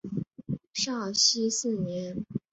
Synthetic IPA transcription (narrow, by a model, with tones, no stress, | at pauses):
ʂɑ˥˩ɕi˥sɹ̩˥˩njɛ˧˥n